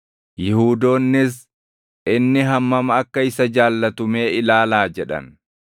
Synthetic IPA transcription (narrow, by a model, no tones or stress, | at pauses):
jɪhuːd̪o̞ːnːɪs̬ | ʔɪnːɪɦɐmːɐmɐɐkːɐɪsɐd͡ʒaːlːɐt̪ʊmeːɪlaːlaːd͡ʒɛᶑɐ̰n